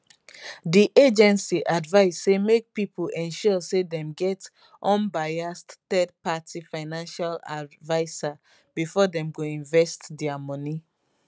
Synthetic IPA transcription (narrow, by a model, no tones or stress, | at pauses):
diʔed͡ʒɛ̃nsiʔadvaɪssemek̚pipʰulɛ̃nʃɔsedɛ̃mɡɛt | ʔɔ̃nbajasttɛd̚patifaɪnãnʃala̰vaɪsa | b̥ifɔdɛ̃mɡoĩnvɛstdɛamɔni